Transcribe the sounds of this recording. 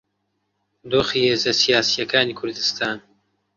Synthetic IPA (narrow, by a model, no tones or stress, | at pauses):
d̪oːxiːheːzɐsijaːsijɐkaːniːkʰʊɾd̪ɨst̪ʰaːn